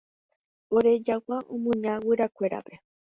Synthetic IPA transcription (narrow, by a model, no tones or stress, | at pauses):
oɾe̞d͡ʒakaʔõmũɲãwɨɾakʷe̞ɾa̰pe̞